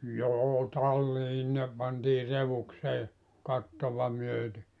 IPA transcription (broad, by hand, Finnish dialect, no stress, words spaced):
joː tɑlːiː ne pɑntiː reʋukseː kɑtːoʋɑ myøte